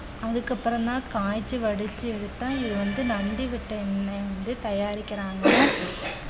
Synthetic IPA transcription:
ɐðɯkːɐpːɯɾɐ̃nt̪ãːkaːjt͡ʃːɯʋɐɽɯt͡ʃːɯɛɽɯt̪ːãːɪðɯʋɐnd̪ɯnɐnd̪iʋɪʈːɐɛnːɐɪʋɐnd̪ɯt̪ɐjaːɾɪkːɪɾaːŋɡɐ

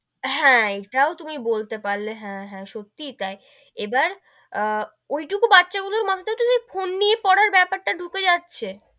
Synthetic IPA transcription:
ɦɛ̃eʈaot̪umibolt̪epaɾleɦɛ̃ɦɛ̃ʃot̪ːit̪ae | ebaɾ | ojʈukubatːʃaɡuloɾmat̪ʰat̪eoʈusefʰonːijepɔɽaɾbɛpaɾʈaɖʱuked͡ʑatːɕʰe

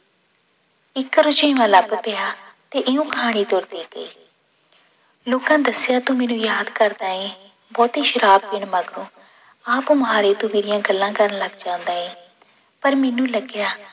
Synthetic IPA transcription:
ɪkɾʊt͡ʃẽːʋãːləbpejaːt̪eːʔɪũːkʰaːɽ̃iːd̪oɾd̪eːɡḛː | loːkãːd̪əsɪjaːt̪ũːmɛːnũːjaːd̪kəɾd̪aːɦẽː | bɔːt̪iːʃəɾaːb̚bɪɳmaɡɾũː | aːpuməɦaːɾeːt̪ũːmeːɾɪjãːɡəlːãːkəɾənləɡd͡ʒãːʊ̃nd̪aːɦẽː | pəɾmɛːnũːləɡɪjaː

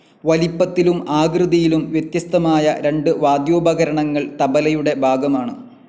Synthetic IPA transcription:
ʋɐlipːɐt̪ːilumaːɡrɨðɐjilumʋjet̪jɐst̪ɐmaːjɐɾe̞ɳɖɨʋaːd̪joːbʱɐɣɐɾɐɳɐŋːɐɭt̪ɐbɐlɐjuɽe̞bʱaːɡɐmaːɳɨ

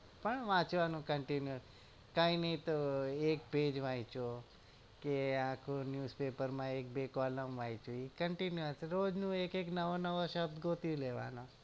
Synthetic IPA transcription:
pəɳʋãt͡ʃʋanũkəɳʈinju | kãːĩnəĩt̪oeːkbeːd͡ʒʋajt͡ʃo | keãːkʰonjuːspeːpəɾmãeːk̚beːkɔːləmʋait͡ʃuikəɳʈinjuəsɾoːd͡ʒnũeːkeknəʋonəʋoʃəb̚d̪ɡoːt̪iũleːʋa̰no

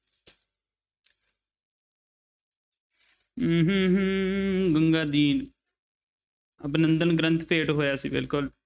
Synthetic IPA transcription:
ɦɦ | ɡəŋɡaːd̪iːn | əbnə̃nd̪ənɡɾə̃nt̪peːʈɦoːjaːsḭːbɪ̰lkʊl

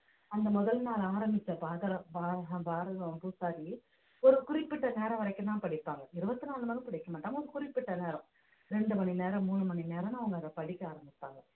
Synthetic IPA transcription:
ɐnd̪ɐmɔðɐlnaːlaːɾɐmbɪt͡ʃːɐbaːðɐɾɐ̃baːɾɐɐbaːɾɐðɐpusaːɾi | ɔɾɯkʊɾɪpːɪʈːɐneːɾɐ̃ʋɐɾɐɪkːɯ̃ãːpɐɽɪpːaːŋɡɐɪɾɯbɐt̪ːɯnaːnɯmɐnɯ̃kɪɽɐɪkːɐmaːʈːaːmɐɔɾɯkʊɾɪpːɪʈːɐneːɾɐ̃ | ɾɛɳɖɯmɐnineːɾɐ̃muːɳɯmɐɳineːɾɐ̃nɐʋɐŋɡɐnd̪ɐpɐɽɪkːɯaːɾɐmbɪpːaːŋɡɐ

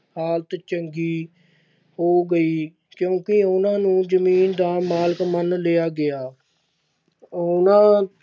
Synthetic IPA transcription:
haːlt̪t͡ʃəŋɡiː | hoːɡəiː | kjõːkɪʊnãːnũːd͡ʒəmiːnd̪aːmaːləkmənleːaːɡɪaː | ʊnãː

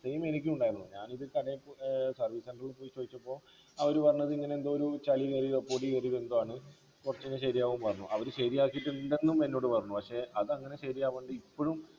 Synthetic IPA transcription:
sejme̞nikʲːiuɳɖaːjiɾnːuɲaːniðɨkɐɽɐjsɐrʋiːseɳɖɐrilɨpoːjit͡ɕːo̞ːðit͡ɕːɐpːo̞ː | ɐʋɐɾupɐrɐɲːɐðɨiŋːɐne̞end̪oːoɾut͡ɕɐliɣɐrirepːoːrʈːiɣɐriʋend̪oaːɳɨ | kurɐt͡ɕːinːɐɕɐɾijaːʋumpɐrɐɲːuʔɐʋɐɾuɕɐɾijaːkːijiʈːɨnd̪e̞nːumpenːo̞ːɽɨpɐrɐɲːupɐkʂe̞ʔɐðɨɐŋːɐne̞ɕɐɾijaːʋeːɳɖɨipːo̞ɻum

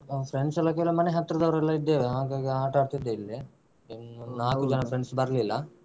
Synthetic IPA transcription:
pʰɾeɳɖsɛlːɐkeʋɐlɐmɐneɦɐt̪ːɾɐd̪ɐʋɐɾɛlːaid̪ːeːʋeɦaːɡaːɡiaːʈaːɽt̪id̪ːeilːi | nnaːkud͡ʒɐnɐfʰɾeɳɖsbɐɾlilːɐ

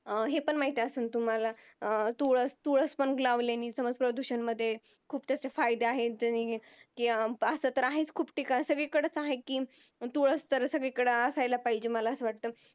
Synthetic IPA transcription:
ɦepəɳmaɦit̪easuːnt̪um̤ala | t̪oɭəst̪oɭəspəɳɡlaʋlaniːsəməd͡zpɾəd̪uɕənməd̪ʱːje | kʰuːpt̪jat͡ɕjafajd̪eaɦed͡ʑani | kiːəsət̪əɾaɦet͡skʰuːbʈikasəɡɭekəɽət͡saɦekiː | t̪oɭəst̪əɾsəɡɭekəɽəəsajlapaɦid͡ʑeməlaəsəʋaʈ̚t̪əː

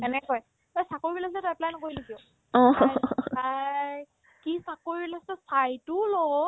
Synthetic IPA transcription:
ɛnɛkoj | ojsakoɹibilas̬ɛtɛplajnɔkoɹilikio | ɔ̃ | aj | kisakoɹiilasɛsajtulɔ

